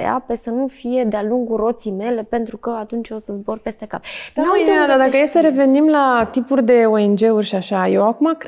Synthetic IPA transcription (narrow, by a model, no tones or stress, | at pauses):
ḛa̰pe̞sənufije̞d̪ealuŋɡuro̞t̪sijme̞le̞pe̞nt̪ɾukəat̪unt͡ʃo̞səzbo̞rpe̞st̪eka̰pd̪ut̪ead̪ad̪akəjesəɾe̞ve̞nimlat̪ipurʲd̪e̞o̞e̞nd͡ʒe̞urʲʃiaʃaje̞wakumak